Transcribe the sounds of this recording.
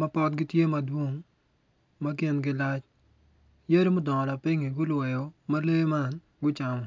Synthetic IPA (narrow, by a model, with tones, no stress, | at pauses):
mɐ˦pɔ˦t̪ɡɪ˦tje˦mɐdwo˦ŋ | mɐk̬e˨nɡɪlat͡ʃ | je˦ɾi˦mʊ˦dɔ˨la˨pɪ˦ŋi˨ɡʊ˦lwɛ˨jo˨mɐle˦ma˦n | ɡʊ˦t͡ʃamɔ˨